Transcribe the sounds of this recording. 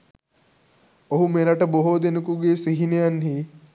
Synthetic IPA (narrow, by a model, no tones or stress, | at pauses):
oɦumeɾɐʈəboɦod̪enukuɡeːsiɦinejanɦi